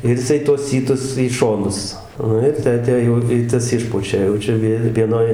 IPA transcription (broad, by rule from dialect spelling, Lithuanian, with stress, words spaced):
ɪr jɪˈsɐɪ tuɔs ˈsʲiːtʊs iː ˈʃoːnʊs ˈnʊ ɪr ˈtʲæː ˈtʲæː jɛʊ ɪ ˈtɐs ˈɪʃpʊt͡ʃʲɛ jɛʊ ˈt͡ʃʲɛ ˈʋʲɪ ʋʲiɛˈnoːj